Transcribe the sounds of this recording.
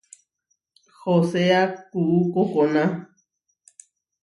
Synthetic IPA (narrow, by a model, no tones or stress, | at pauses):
hoseakuʔukokonã